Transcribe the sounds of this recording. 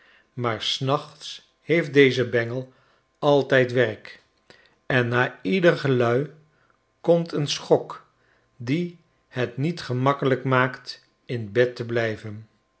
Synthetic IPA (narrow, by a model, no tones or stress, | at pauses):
maːɹsnɑχts | hejf̚dejzəbɛŋəlˠ | ɑlˠtɛjtʋɛrk | ɛnːaːidərχəlœɥ | kɔmtənsχɔk | di | hətnitχəmɑkələkmaːkt | ɪnbɛtəblɛjvən